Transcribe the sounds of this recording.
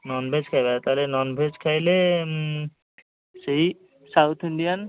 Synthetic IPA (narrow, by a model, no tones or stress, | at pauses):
nɔnbʱed͡ʒkʰajbat̪aɦolenɔnbʱed͡ʒkʰajle | sei | sawt̪ʰiɳɖijan